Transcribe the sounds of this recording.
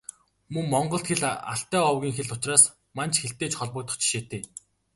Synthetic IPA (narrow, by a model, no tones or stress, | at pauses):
mɵŋmɔɴɢɞ̆ɬt̪xeɮa̰ɬt̪œːɔwɣʲiːŋxeɮʊt͡ɕraːs | mant͡ɕxeɬt̪eːt͡ɕχɔɮpɞ̆k̚t̪ʰʊ̥̆t͡ɕɪ̥̆ʃet̪eː